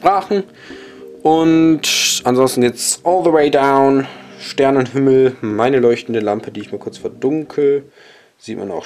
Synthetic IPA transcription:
pʁ̥aːχn̩ | ʔʊntʔanzɔnstn̩ɡeːt͡sʔɔːlðəweɪdaʊnʃtɛɐnənɦɪml̩maɪnəlɔʏçtn̩dəlampʰədiːɪçmaːlkʰʊɐt͡sfɛɐdʊŋkʰə | z̥iːtma̰na̰ʊ

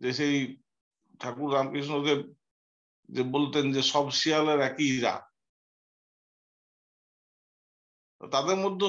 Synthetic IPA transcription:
d͡ʑeʃej | ʈʰakuɾːamkiʃ̬nod̪e | d͡ʑebolt̪end͡ʑeʃɔbʃialeɾɛkiɾa̰ | o̰t̪ad̪eɾmod̪ʱːo

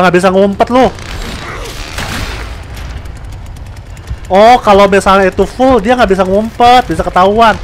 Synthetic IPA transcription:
ŋɡabis̬aŋumpət̪̚lʊh | ɔhkalomisalɲait̪ufʊldiaŋaʔbis̬aŋumpət̪̚bisakət̪auan

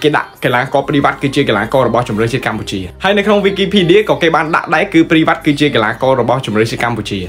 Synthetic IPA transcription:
keːɗa̰ʔkelaːkɑːpriːʋat̪̚kɨːt͡ɕiəkelaːkɑːɾɔɓɑht͡ɕumrəːht͡ɕiət̪̚kamput͡ɕiəhaəjnɨwkʰnoŋʋiːkiːpʰiːɗiəkɑːkeːɓaːnɗa̰ʔɗaɛkːɨːpriːʋat̪̚kɨːt͡ɕiəkelaːkɑːɾɔɓɑht͡ɕumrəːht͡ɕiət̪kamput͡ɕiə

